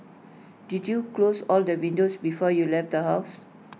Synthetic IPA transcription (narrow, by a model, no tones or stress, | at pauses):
d̥idjuklosɔldəwĩndosbifɔjulɛfdəhaʊs